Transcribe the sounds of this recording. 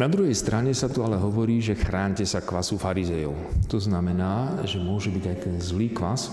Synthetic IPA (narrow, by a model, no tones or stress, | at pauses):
nad̪ɾuɦɛjst̪ɾaɲɛsat̪ualɛɦɔʋɔɾiːʒɛxɾaːɲcɛsakʋasufaɾizɛjɔ̰ʊt̪ɔznamɛnaːʒɛmʊɔʒɛbiɟakɛzliːkʋas